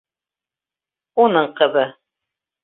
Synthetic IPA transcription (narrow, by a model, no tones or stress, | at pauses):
unɤɴqɤ̆βɤ